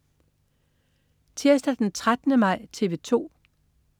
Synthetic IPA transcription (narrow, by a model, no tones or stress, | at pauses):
t͡sʰeɐsd̥æd̥ent͡sʰʁad̥nəmɑ̈ɪ̰t͡sʰe̝ʋe̝t͡sʰo̝̰ː